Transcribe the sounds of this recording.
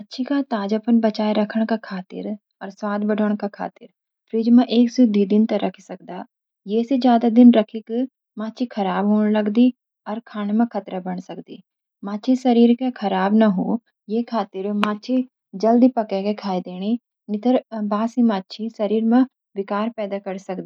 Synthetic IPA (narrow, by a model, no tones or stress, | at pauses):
ɐtːʃʰikat̪aːd͡ʒɐpənbɐt͡ʃaːeɾɐkʰəɽ̃kakʰaːt̪ɪ̰ɾ | ɔːɾswaːd̪bəɖʱəɽ̃kakʰa̰ːt̪ɪɾ | pʰɾɪd͡ʒmẽʔeːksud̪id̪ɪnt̪ɐɾʔɐkʰisɐk̚d̪aː | jeːsed͡ʒjaːd̪ad̪ɪnɾɐkʰik | maːtːt͡ʃʰikʰɐɾaːbɦoːɽ̃lɐɡd̪i | ɔːɾkʰaːnemẽkʰɐt̪ɾabɐɽ̃sɐkd̪ḭː | maːt͡ʃʰisɐɾiːɾkekʰɐɾaːbnɐɦuː | jeːkʰaːt̪ɪɾmaːt͡ʃʰi | d͡ʒɐld̪ipɐkekekʰaːid̪eːɽ̃i | nɪt̪əɾbaːsimaːtːt͡ʃʰisɐɾiːɾmẽ | ʋɪkaːɾpɛːd̪akɐɾsɐkd̪i